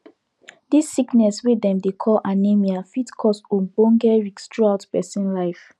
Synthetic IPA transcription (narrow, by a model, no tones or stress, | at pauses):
disːiknɛswidɛ̃mdekʰɔlʔanemiafitkʰɔsõbɔ̃ŋɡɛɹikstɹuaʊtpɛsĩnlaɪf